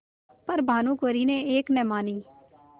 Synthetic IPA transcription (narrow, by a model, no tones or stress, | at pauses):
pəɾbʱaːnũːkoɾiːneeːknɛmaːniː